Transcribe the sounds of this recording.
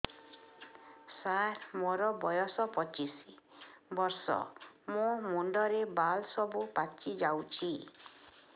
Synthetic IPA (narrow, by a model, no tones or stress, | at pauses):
saɾmɔɾɔbɔjɔsɔpɔt͡ʃisibɔɾsɔ̰momuɳɖɔɾebalsɔbupat͡ʃid͡ʒawt͡ʃʰi